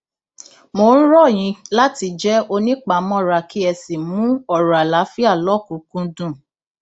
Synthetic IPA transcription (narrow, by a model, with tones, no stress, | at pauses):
mo˧˦˨ñ̩˦ɾɔ˦˨j̃ĩ˧la˦ti˧d͡ʒɛ˦o˧nĩ˦k͡pa˨˦mɔ̃˦˨ɾa˧ki˦ɛ˧si˨mũ˦ɔ˦˨ɾa˨la˨˦fi˦a˦˨lɔ˦˨kũ˨˦kũ˦dũ˦˨